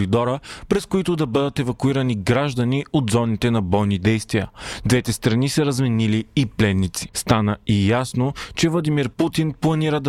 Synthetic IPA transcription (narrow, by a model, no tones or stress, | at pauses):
ɾid̪ɔɾəpɾɛskoit̪ʊd̪ɐbəd̪ət̪ɛvɐkuiɾəniɡɾaʒd̪ɐniʔod̪zɔnit̪ɛnɐbɔjnid̪ɛjst̪vijəd̪vɛt̪ɛst̪ɾɐnisɛɾɐzmɛniliːplɛnːit̪si̥st̪anəijasnot͡ʃɛvlˠɐd̪imiɾput̪inplˠɐniɾəd̪